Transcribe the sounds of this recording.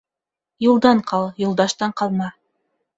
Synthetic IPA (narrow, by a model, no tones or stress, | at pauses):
julˠd̪ɑɴqʰɑlˠjulˠd̪ɑʃt̪ɑɴqɑlˠmɑ